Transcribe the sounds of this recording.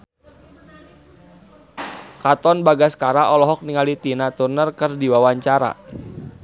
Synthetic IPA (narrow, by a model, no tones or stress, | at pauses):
kat̪ɔnbaɡaskaɾaʔɔlɔɦɔk̚niŋalit̪inat̪urnərkərdiwawaɲt͡ʃaɾa̰